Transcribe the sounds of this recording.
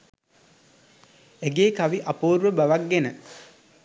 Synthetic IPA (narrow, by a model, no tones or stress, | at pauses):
eɡeːkaʋiʔapoːɾuʋəbaʋakːenə